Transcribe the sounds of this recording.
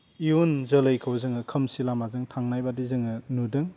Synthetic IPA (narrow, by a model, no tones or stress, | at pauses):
iunzɐlɯjkʰawzɯŋɯkʰɐmsilamazɯŋtʰaŋnajbadizɯŋɯnudɯŋ